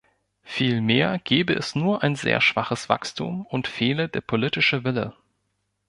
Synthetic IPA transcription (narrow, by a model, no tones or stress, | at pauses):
fiːlmeːɐɡ̥eːbəʔɛsnuːɐʔaɪnzḛːɐʃv̥aχəsv̥a̰kstʰṵːmʊntfeːlədeːɐpʰolɪtɪʃəvɪlə̰